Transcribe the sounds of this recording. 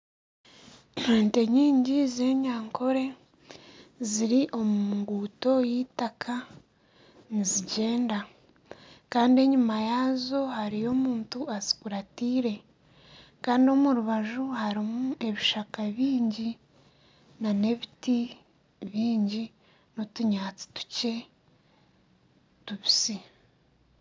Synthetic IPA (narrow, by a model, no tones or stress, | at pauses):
noːnte̞ɲiːɲɟizeːɲaːŋkʰo̞ɾe̞ | ziɾiʔo̞muuŋɡuːto̞jiːtakʰa | niziɟe̞ːnda | kaːndie̞ɲumajaːzo̞haɾijo̞muːntuazi̥kuɾatiːɾe̞ | kaːndio̞muɾuβaʒuhaɾimuʔe̞βiʃakaβiːɲɟi | nane̞βiti | βiːɲɟi | notuɲaːt͡si̥tu̥ce̞ | tuβisi